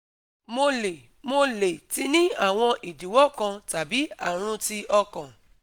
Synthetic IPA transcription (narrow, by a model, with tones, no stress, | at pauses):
mo˧le˨ | mo˧le˨ti˨˦nĩ˦a˦˨w̃ɔ̃˧ʔi˨di˨˦wɔ˦˨kã˧ta˨bi˨˦a˦˨ɾ̃ũ˧ti˧ʔɔ˧kã˨